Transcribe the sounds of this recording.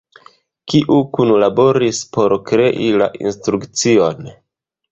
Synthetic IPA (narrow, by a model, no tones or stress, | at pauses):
kiʔukunlabo̞ɾispo̞ɾkɾe̞ʔila̰ʔḭnstɾukt͡sio̞n